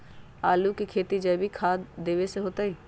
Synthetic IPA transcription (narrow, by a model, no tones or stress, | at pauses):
aːlukekʰeːt̪id͡ʒɐːbʱikʰaːd̪eːʋeseɦoːt̪aɦiː